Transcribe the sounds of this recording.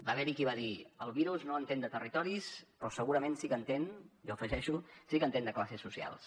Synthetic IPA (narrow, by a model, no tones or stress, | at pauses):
baβɛɾikiβaðiəlˠβiɾuznoənt̪end̪ət̪ərit̪ɔɾispɾɔsəɣuɾəmensikənt̪enʒɔəfəʒɛʃusikənt̪end̪əklasisːusia̰lˠs